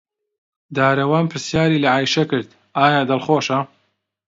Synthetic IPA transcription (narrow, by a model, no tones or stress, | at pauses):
d̪aːɾɐwaːnpʰɨɾsjaːɾiːlɐʕaːjʃɐkɨɾd̪ | aːjaːd̪ɐlxoːʃɐ